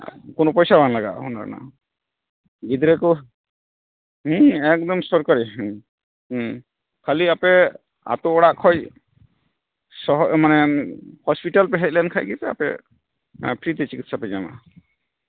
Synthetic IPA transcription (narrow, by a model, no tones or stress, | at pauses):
kʊnopɔjsabʱanlaɡa̰ʔɦɔna̰na̰ | ɡid̪ɾɛkɔ | ɛk̚d̪ɔmsɔɾkaɾi | kʰaliapɛ | a̰t̪oɔɽaʔkʰɔj | sɔɦmanɛhɔspiʈalpɛɦɛt̪̚ˀlɛnkʰajɡit̪ɛa̰pɛ̰ | pʰɾit̪ɛt͡ʃikit̪̚ʰsapɛd͡ʒama̰